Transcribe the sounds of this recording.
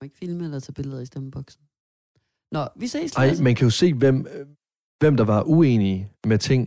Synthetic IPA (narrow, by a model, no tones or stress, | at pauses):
eɡ̥filməlɐsʰɛb̥e̝ləð̩ˠisd̥æmb̥ɒɡ̥sn̩ | nɒʋisesɑ̈ɪ̰mænkʰæjo̝se̝̰ːʋem̰ | ʋem̰d̥ɑ̈ʋɑ̈ʔueːnimet͡sʰe̝ŋ̰